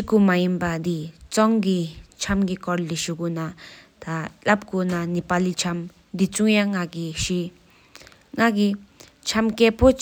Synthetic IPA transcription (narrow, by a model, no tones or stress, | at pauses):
kumajinpad̪it͡sɔŋɡit͡ɕʰamɡikɔrliɕuɡunat̪alap̚ɡonanipalit͡ɕʰam | d̪it͡suŋjaŋːaɡiɕi | ŋaɡi | t͡ʃʰamkɛpʰo